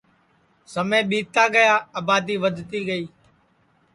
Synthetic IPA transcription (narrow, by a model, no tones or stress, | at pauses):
səmẽːɓiːt̪aːɡəjaːaːbaːd̪iːʋəd̪ʱt̪iːɡəiː